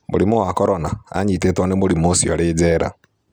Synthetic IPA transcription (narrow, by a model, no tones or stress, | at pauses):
mṵɾimuwakɔɾɔnaa̰ɲitetɔnemuɾimosiɔɾiːd͡ʒɛɾa̰